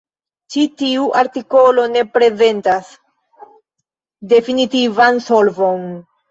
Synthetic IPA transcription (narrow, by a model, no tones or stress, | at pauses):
t͡ʃitiuʔaɾtiko̞lo̞ne̞pɾe̞ze̞ntas | de̞finitivanso̞lvo̞n